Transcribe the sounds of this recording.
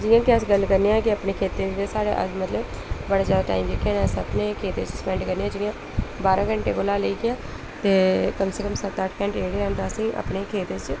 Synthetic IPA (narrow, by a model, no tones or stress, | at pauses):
d͡ʒɪːjãːkɪəsɡəlkəɾneːɛ̃ːkɪəpneːkʰeːt̪ːẽd͡ʒɪd̪eːsaːɽa̰ːʔə̰mət̪ləb | bəɽaːzjaːd̪aːʈa̰ːimd͡ʒɪkʰːẽːnaːsəpneːkʰeːt̪et͡ʃsə̥pɛ̃ːɳɖkəɾneːãːd͡ʒijãː | baːɾãːɡəɳʈeːkoːlaːləiːɡɪaː | t̪eːkəmseːkəmsət̪aʈʰkɛ̃ːɳʈeːɽeãːnd̪aːəsĩːʔa̰pneːkʰeːt̪eːt͡ʃ